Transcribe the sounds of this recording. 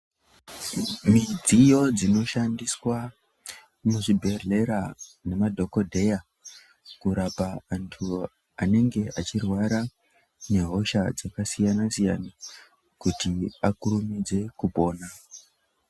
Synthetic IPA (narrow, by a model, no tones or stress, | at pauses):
mid͡zijo̞d͡zino̞ʃandiswa | muʐibʱe̞rle̞ɾane̞madʱo̞ko̞dʱe̞ja | kuɾapaːntʰu | ane̞ŋɡe̞ʔat͡ʃirwaɾa | ne̞ɦo̞ʃad͡zakasijanasijana | kutiakuɾumid͡ze̞kubo̞ːna